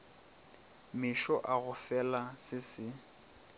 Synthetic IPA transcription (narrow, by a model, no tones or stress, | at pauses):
mɪʃɔʔaɣʊfɛlasɪsɪ